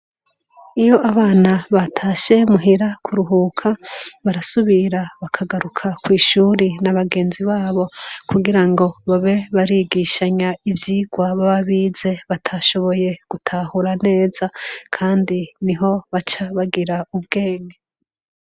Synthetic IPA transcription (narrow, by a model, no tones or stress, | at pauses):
ijo̞ʔaβaːnaβatʰaʃe̞muɦiɾakʰuɾuɦuːkʰaβaɾasuβiɾaβakʰaɡaɾukʰakwiːʃuːɾinaβaɡe̞ːnziβaːβo̞kuɡiɾaŋɡo̞βaβe̞βaɾiɡiʃaɲaivjiɡwaβaβaβiːze̞βatʰaʃo̞βo̞je̞ɡ̥utʰahuɾane̞ːz̥akʰaːndiniɦo̞βat͡ʃaβaɡiɾaub̚ɡe̞ːɲɡe